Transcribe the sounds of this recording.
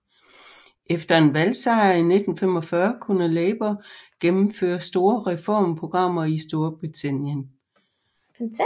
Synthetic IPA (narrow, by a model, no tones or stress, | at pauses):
ʔefd̥ɐe̝nʋælsɑ̈ɪɐine̝d̥n̩fem̰ɒ̽fɶːɐkʰunɐleːb̥ɐɡ̥emm̩fø̰ːɐsd̥o̝ːɐʁɛfɒ̰ːmpʰʁo̝ɡ̥ʁɑ̈m̰ɐisd̥o̝ɐb̥ʁit͡sʰæn̰jən